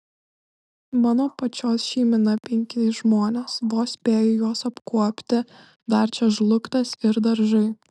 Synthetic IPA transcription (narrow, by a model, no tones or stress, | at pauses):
mɑːnoːpɐt͡ʃʲoːsʃʲiːmʲɪnɐpʲɛŋʲkʲɪsʒmoːnʲeːsʋoːsʲpʲeːjʊjuɔsɐpkuɔpʲt̪ʲɪ | d̪ɐɾʲt͡ʃʲɛʒlˠʊkt̪ɐsɪɾd̪ɐɾʒɐɪ